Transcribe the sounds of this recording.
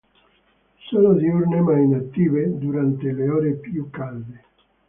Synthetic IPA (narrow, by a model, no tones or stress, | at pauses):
sɔːnod̪iurnemajinat̪ːiːved̪uɾant̪eleɔːɾepjukːalːe